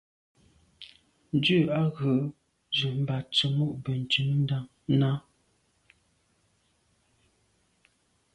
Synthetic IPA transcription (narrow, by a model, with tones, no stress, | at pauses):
n̩˨dʉ˦˨a˦ɣə˨˦ | zə˨m̩˨ba˨t͡ʃə˨mu˦ʔbə˨n̩˨t͡ʃʉ˨˦m˦n̩˦da˦ŋ | na˦